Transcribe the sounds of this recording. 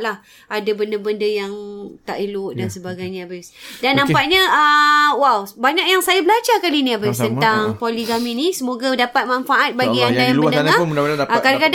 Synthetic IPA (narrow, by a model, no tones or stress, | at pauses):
lah | adabəndəbəndəjaŋt̪a̰ʔilʊʔ̚dansəbaɡajɲaabasdanːampaʔɲəəwawbaɲak̚jaŋsajabəlat͡ʃakalinĩabist̪ənt̪aŋpoliɡaminisəmoɡadapat̪̚manfaʔat̪̚baɡiandajapəndəŋaəkadakad